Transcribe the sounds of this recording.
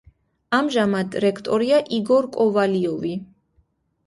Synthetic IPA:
amʒamad̪ɾɛkʰt̪ʼɔɾiaʔiɡɔɾkʼɔvaliɔvi

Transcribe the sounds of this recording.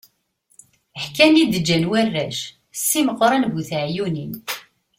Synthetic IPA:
əħkænid̪əd͡ʒːænwærːæʃ | sːiməqɾˤɑnbuθʕjunin

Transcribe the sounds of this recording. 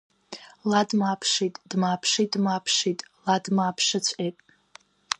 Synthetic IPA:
ladmapʰʂitʼd̥maːpʰʂidmapʰʂitʼladmapʰʂat͡ɕʷʰʼejtʼ

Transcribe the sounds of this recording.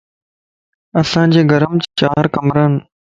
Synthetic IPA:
ɐsãːd͡ʑeːɡəɾəmt͡ɕːt͡ʃaːɦɾkəmɾəːn

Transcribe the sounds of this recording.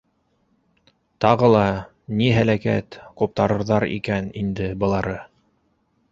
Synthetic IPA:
t̪ɑʁɤlˠɑ | niɦælækæ̰t̪qup̚t̪ɑɾɤ̆ɾðɑɾḭkænind̪ɘbɤ̆lˠɑɾɤ

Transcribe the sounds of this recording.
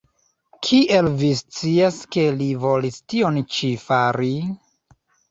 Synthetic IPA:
kʰiʔe̞lvist͡siaske̞livo̞listio̞nt͡ʃifaɾi

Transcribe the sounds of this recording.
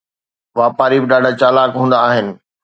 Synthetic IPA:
ʋaːpaːɾibɪɗaːɖʱat͡ɕaːlaːkɦũːnd̪aːɦɪnɪ̆

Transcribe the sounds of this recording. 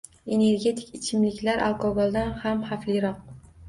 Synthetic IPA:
e̞ne̞ɾɡʲe̞t̪ʰɪ̥kɪt͡ʃʰɪmlɪkʲlaɾʔa̰lˠkʰɒɡolˠd̪anhamhaflɪɾɒq̚

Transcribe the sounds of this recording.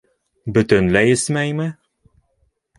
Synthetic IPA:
bɵ̆t̪ɘ̆nlæjɘ̆smæjmɘ

